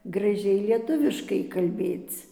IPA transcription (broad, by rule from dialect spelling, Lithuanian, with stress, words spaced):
ɡrɐˈʒʲɛɪ lʲiɛˈtʊʋʲɪʃkɐɪ kɐlʲˈbʲeːt͡s